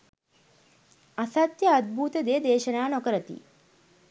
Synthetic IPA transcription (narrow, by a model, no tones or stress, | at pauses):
asat̪jəad̪̚bʱuːt̪əd̪ed̪eːʃənaːnokəɾət̪ḭ